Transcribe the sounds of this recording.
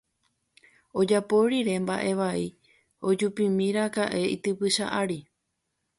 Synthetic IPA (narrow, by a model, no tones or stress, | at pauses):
o̞d͡ʒapo̞ɾiɾe̞mbaʔe̞ʋai | o̞d͡ʒupĩmĩɾakaʔe̞ḭt̪ɨpɨʃa̰ʔaɾi